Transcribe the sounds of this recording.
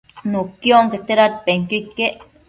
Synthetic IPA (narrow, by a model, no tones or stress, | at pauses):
nukːjoŋket̪eɾat̪̚peŋkikːeʔ